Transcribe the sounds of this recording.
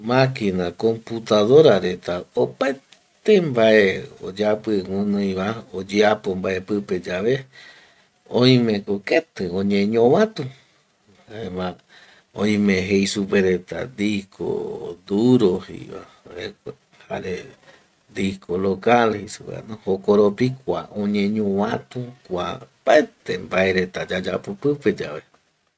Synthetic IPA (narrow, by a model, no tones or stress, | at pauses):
mãkinako̞mput̪aðoɾaɾet̪aopae | t̪embaʔeo̰d͡ʒapɨŋʷũnõĩβaod͡ʒeapombae̞pɨped͡ʒaβe | õj̃mẽkoket̪ɨõɲẽɲõβãt̪u | haeβã | õ̰j̃mẽɦejsupeɾet̪a̰d̪ikʰo̰d̪uɾohḭa̰ | ek | ha̰ɾe | d̪ikolokalhejsupḛnõhokoɾopikʷaõɲẽɲõwãt̪ukʷa̰b̥aet̪embae̞ɾe̞t̪ad͡ʒad͡ʒapopɨped͡ʒaβe